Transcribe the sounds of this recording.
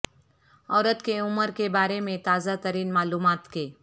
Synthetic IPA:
ɔːɾət̪keʊməɾkebaːɾemẽt̪aːzat̪əɾiːnmaːluːmaːt̪keː

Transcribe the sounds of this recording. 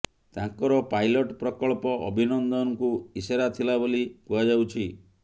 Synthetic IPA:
t̪ãŋkɔɾɔpajlɔʈpɾɔkɔɭpɔʔɔ̰bʱinɔnd̪ɔnɔkuiseɾat̪ʰilabolipuɦad͡ʒawt͡ʃʰi

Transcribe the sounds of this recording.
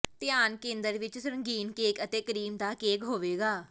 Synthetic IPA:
t̪ɪjaːnkẽːnd̪əɾʋɪt͡ʃsəɾə̃ŋɡiːnkeːkət̪eːkəɾiːmd̪aːkeːkɦoːʋeːɡaː

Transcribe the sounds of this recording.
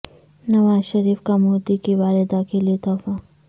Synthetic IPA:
nɐʋaːzʃɐɾiːfkamoːd̪ikiʋaːlɪd̪akeliit̪ɔːfa

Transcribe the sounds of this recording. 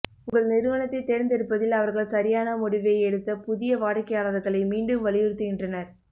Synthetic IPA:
ʊŋɡɐɭnɪɾɯʋɐnɐt̪ːɐɪt̪ːeɾɪnd̪ɪɾɯpːɐðɪlɐʋɐɾɣɐɭsɐɾɪjaːnɐmʊɽɪʋɐɪɛɽɯt̪ːɐpʊðɪjɐʋaːɽɐkːɐjaːɭɐʋɾɣɐɭɐɪmiːɳɖɯmʋɐɭɪjɪɾɯt̪ːɯɣɪndrɐnɐɾ

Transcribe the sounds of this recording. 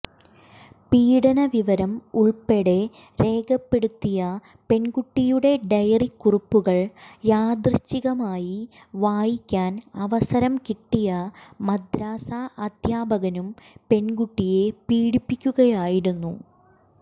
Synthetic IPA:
piːɽɐnɐʋiʋɐɾɐmuɭpe̞ɽe̞ | ɾe̞ːɡɐpːe̞ɽut̪ːijɐ | pe̞nɡuʈːijuɽe̞ɖɐjɐrikːurupːuɣɐɭjaːd̪rɨt͡ɕːiɣɐmaːji | ʋaːjikʲːaːnɐʋɐsɐɾɐmkiʈːijɐmɐd̪ʱɾaːsaɐd̪ʱjaːbɐɣɐnumpe̞nɡuʈːije̞piːɽipːikʲːuɣɐjaːjiɾunːṵ

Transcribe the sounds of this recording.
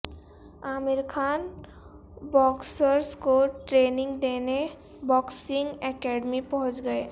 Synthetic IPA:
amɪɾkʰaːn | bɔːksəɾskoʈɾeːnɪ̃ŋɡd̪eːne | bɔːksɪŋɡɛkɛːɖmipɔɦʊ̃t͡ʃɡəe

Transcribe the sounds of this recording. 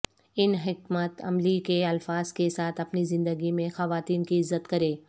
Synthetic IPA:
ɪnɦɪkmət̪ɐ̰mlikeɐlfaːz̥kesaːt̪ʰɐpnizɪ̃nd̪əɡimẽxɐʋaːt̪iːnkiɪzːət̪kɐɾẽː

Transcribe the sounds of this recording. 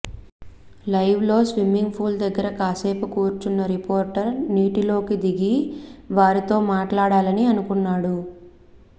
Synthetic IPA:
lɐjʋlo̞ːsʋimiŋɡpʰuːld̪ɐɡːɐɾɐkaːseːpɐkuːɾt͡ʃunːɐɾipoːɾʈɐɾniːʈilo̞ːkid̪iɡiʋaːɾit̪o̞ːmaːʈlaːɽaːlɐniɐnukunːaːɽu

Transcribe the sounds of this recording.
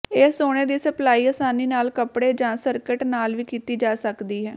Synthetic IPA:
eːoːɽ̃eːd̪iːsəplaːiːəsaːniːnaːlkəpɽeːd͡ʒãːsəɾkɪʈnaːlʋiːkiːt̪iːd͡ʒaːsəkd̪iːɦɛː

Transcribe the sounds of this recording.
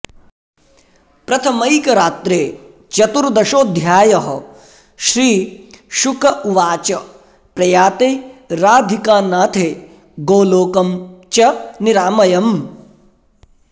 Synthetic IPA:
pɾɐt̪ʰɐmɐjkɐɾaːt̪ɾeː | t͡ʃɐt̪uɾd̪ɐʃoːd̪ʱjaːjɐɦɐ | ʃɾiːʃukɐʋaːt͡ʃɐ | pɾɐjaːt̪eːɾaːd̪ʱikaːnaːt̪ʰeː | ɡoːloːkɐmt͡ʃɐniɾaːmɐjɐm

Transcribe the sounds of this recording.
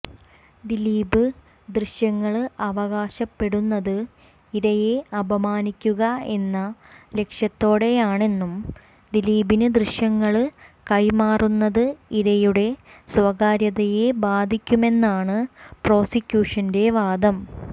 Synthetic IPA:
d̪iliːbɨ | d̪riɕjɐŋːɐɭɐʋɐɣaːɕɐpːe̞ɽunːɐðɨ | iɾɐjeɐbʱɐmaːnikʲːuɣɐe̞nːɐle̞kʂjɐt̪ːo̞ːɽe̞jaːɳe̞nːum | d̪iliːbinɨd̪riɕjɐŋːɐɭkɐjmaːrunːɐðɨiɾɐjuɽe̞sʋɐɣaːɾjɐðɐjebaːd̪ʱikʲːume̞nːaːɳɨpro̞ːsikʲːjuːʂɐnde̞ʋaːd̪ɐm

